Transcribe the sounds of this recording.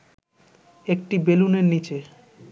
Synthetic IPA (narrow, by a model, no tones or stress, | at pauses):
ek̚ʈibeluneɾnit͡ɕe